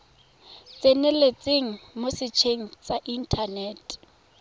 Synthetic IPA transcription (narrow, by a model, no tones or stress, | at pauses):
t͡sʼenɛlet͡sʼeŋ̩mosɪt͡ʃʰeŋ̩t͡saʔin̩tʰaneːtʼ